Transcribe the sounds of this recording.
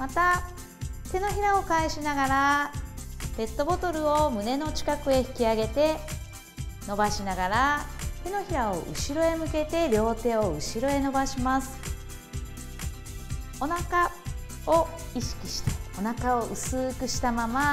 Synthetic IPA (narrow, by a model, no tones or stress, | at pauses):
mat̪a | t̪e̞no̞çiɾao̞kaiɕinaɡaɾa | b̥e̞t̪ːo̞bo̞t̪o̞ɾɯ̟omɯ̟ne̞no̞t͡ɕi̥kakɯ̟e̞çi̥kʲiaɡe̞t̪e̞ | no̞baɕinaɡaɾat̪e̞no̞çiɾao̞̰ʔɯ̟̰ɕiɾo̞e̞mɯ̟ke̞t̪e̞ɾʲjo̞ːt̪e̞ːo̞ɯ̟ɕiɾo̞e̞no̞baɕimasɨ̥ | o̞naka | o̞ | iɕi̥kʲiɕi̥t̪ḁo̞nakao̞ʔɯ̟sɨːkɯ̟ɕi̥t̪amama